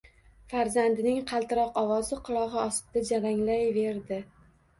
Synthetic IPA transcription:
faɾzand̪ɪnɪŋqʰɑlˠt̪ʰɪɾɒqɒvɒzɪqʰɨlˠɒʁɨɒs̚ɪd̪̥ad͡ʒaɾaŋlajve̞ɾd̪ɪ

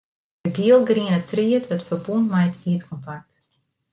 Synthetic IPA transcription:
dəɡiəlˠɡriənətriəthətfərbunmɛjtiətkʰɔntak̚t

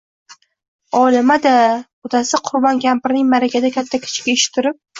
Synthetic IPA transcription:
ɒlɪmad̪a | ʊt̪ʰasɪqʰʊɾbɒnkʲʰampɪɾnɪŋmaɾakʲad̪akʲʰat̪ʰːakʲʰɪ̥t͡ʃʰkʲaeʃɪ̥t̪ʰːʊɾɪp̚

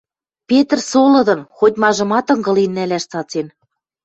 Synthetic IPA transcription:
pʲet̪rsolɤ̆d̪ɤ̆nxot̪ʲmɑʒɤ̆mɑt̪ɤ̆ŋɡɤ̆linːælæʃt͡sɑt͡sen

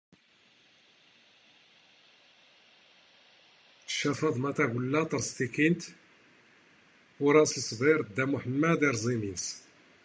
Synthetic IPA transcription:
ə̥ʃːɑfɑðˤmæt̪æɡəlːæt̪ˤɑɾˤst̪ikint̪ | ʊɾˤɑsləsˤbiɾd̪ːæmuħəmːæd̪iɾzˤimins

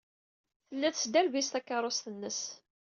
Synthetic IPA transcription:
θəlːæθsd̪ælvist̪ækːɑɾˤost̪ənːəs

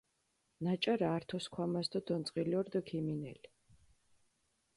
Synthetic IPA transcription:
nat͡ʃʼaɾaːɾt̪ʰɔskʰwamasd̪ɔd̪ɔnt̪sʼqʼilɔɾd̪ɔkʰiminɛ̰li

